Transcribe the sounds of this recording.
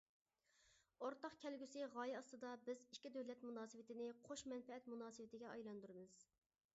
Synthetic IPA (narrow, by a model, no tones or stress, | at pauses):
oɾt̪ɑχkʲʰɛlɡʲysɪʁɑːjɛɑst̪ɨd̪ɑbɪzikʲːid̪øwlɛt̪munɑːsɨwɪt̪ʰɪnɪqʰoʃmɛnfɛɛt̪munɑːsɨwɪt̪ʰɪɡʲɛɑjlˠɑnd̪uɾɨmɨz̥